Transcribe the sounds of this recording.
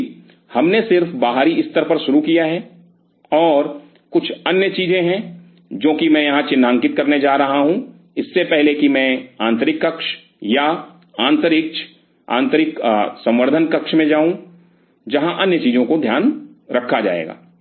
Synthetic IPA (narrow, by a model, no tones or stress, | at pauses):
hɐmnesɪɾfbaːɦaːɾiɪst̪əɾpɐɾʃʊɾukijaɦɛ | ɔːɾ | kʊt͡ʃʰɐnjət͡ʃiːzẽɦɛ̃ | d͡ʒõːkimɛ̃jɐɦãt͡ʃɪnːãːŋkɪt̪̚kɐɾned͡ʒaːɾɐɦaɦũ | ɪsːepɛɦlekimɛ̃ãːnt̪əɾɪkːɐkʃ | ja | ãːnt̪əɾɪk̚t͡ʃʰ | ã̰ːnt̪əɾɪksɐ̃mʋəɾd̪ʱənkɐkʃmẽd͡ʒaːɦũ | d͡ʒɐɦãʔɐnjət͡ʃiːzõkod̪ʱjaːnɾɐkʰːad͡ʒa̰ːḛːɡa̰ː